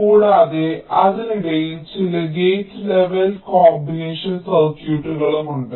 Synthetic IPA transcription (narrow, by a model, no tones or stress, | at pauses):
uːɽaːðeɐðiniɽejilt͡ɕilɐɡeːsle̞ʋɐlkoːbineːʂɐnsɐrkjuːʈːuɣɐɭumuɳɖɨ